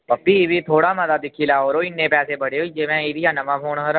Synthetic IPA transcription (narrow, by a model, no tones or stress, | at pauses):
pəpːiːʋiːt̪ʰoːɽaːmət̪aːd̪ɪkʰːiːlaːoːɾoːɪnːẽːpɛːseːbəɽeːɦoiːd͡ʒeːʋɛ̃ːiːɾijãːnəʋãːpʰoːɳɦəɾ